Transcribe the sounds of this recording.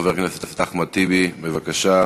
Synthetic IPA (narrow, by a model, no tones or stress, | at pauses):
veʁknaset̪ast̪aχmat̪ibibevakaʃa